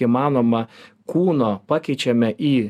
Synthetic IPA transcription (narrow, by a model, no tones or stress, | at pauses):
imɑːnoːmɐ | kuːnoːpɑːkʲɛɪt͡ʃʲɛmʲɛʔiː